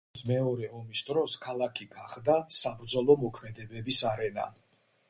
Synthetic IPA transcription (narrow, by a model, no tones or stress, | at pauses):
smɛɔɾɛɔmisd̪ɾɔskʰalˠakʰiɡaχd̪asabɾd̪zɔlˠɔmɔkʰmɛd̪ɛbɛbisaɾɛna̰